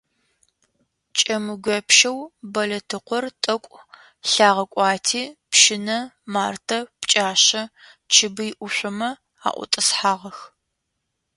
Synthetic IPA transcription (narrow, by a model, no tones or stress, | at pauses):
t͡ʃʼɐmɨɡʷɐpʃɐwbɐlɐtʰɨqʷɔrtʼɐkʷʼ | ɬaːʁɐkʷʼɑːtʰiːpʃɪnɐmaːrtʰɐpt͡ʃʼaːɕɐ | t͡ʃʰɪbɨjʔʷʊɕʷʊmɐ | a̰ːʔʷʊ̰tʼɐsħaːʁɐx